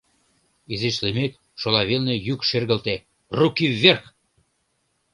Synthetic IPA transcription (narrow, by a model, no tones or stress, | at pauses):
izeʃlemet̪ | ʃolɑβelnejykʃerɣəlt̪e | rukiːerx